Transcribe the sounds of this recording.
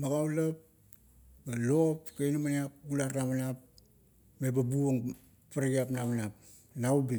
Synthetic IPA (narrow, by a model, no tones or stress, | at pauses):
maɡawlap̚ | balopkejnamaniap̚ɡulaɾnaβanap̚ | mebabuoŋ | paɾaɡiapnaβanap̚ | naubi